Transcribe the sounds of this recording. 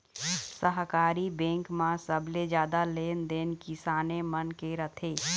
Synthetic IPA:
səɦkaːɾibɛ̃ːŋkmãsəbled͡ʒjaːd̪aleːnd̪eːnkɪsaːnemənkeɾət̪ʰeː

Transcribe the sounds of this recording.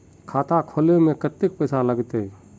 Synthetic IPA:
kʰaːt̪akʰoːlemẽkət̪ːɪk̚pəːsaləɡt̪e

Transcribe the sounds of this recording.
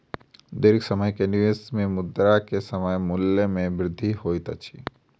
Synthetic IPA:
d̪eɾɪksəməjkeniʋesmẽmʊd̪ɾakesəməjmʊlːəmẽbɾɪd̪ʱːihoːit̪ət͡ʃʰi

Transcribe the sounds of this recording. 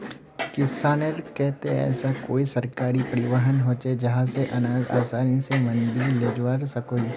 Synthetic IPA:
kɪsaːneɾkɛɦt̪ẽɛ̰ːsakoːisɐɾkaːɾipɐɾɪʋəɦənɦoːt͡ʃed͡ʒɐɦãseʔɐnaːd̪a̰ːsaːnisemɐ̃nɖileːd͡ʒʋaːɾsɐkoːi

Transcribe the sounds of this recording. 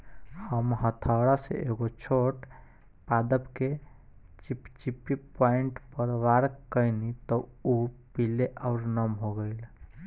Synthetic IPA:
həmɦət̪ʰawɽasḛeɡot͡ʃʰoʈ | pad̪əpke | t͡ʃipt͡ʃipːipaiɳʈpəɾʋaɾkəjnit̪ɔupileʔaʊɾnəmɦoɡəɪl

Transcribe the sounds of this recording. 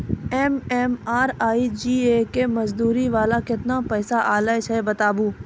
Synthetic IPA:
ɛːmɛːmaːɾaːid͡ʒiːeːkemɐzd̪uːɾiʋaːlakɪt̪napɛːsaʔaːlaet͡ʃʰɛbɐt̪aːbuː

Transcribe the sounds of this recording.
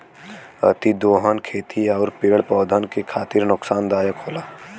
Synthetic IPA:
ɐ̰t̪id̪oːɦənkʰeːt̪ʰiɔːɾpeːɽpɔːd̪ʱənkekʰaːt̪ɪɾnʊksaːnd̪aːjəkɦoːlaː

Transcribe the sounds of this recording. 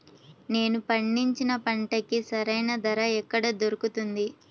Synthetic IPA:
ne̞ːnupɐɳːiɲt͡ʃinɐpɐɳʈɐkisɐɾɐjnɐd̪ɐɾɐɛkːɐɽɐd̪oɾukut̪und̪i

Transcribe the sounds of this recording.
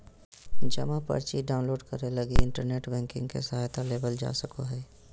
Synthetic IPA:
d͡ʒɐmapɐ̰ɾt͡ʃiɖaːʊ̃nloːɖkəɾelɐɡiɪ̃ɳʈəɾneːʈbɛ̃ːŋkɪ̰̃ŋɡkḛsɐɦaːjt̪aleːbəld͡ʒa̰ːsəkoɦɛː

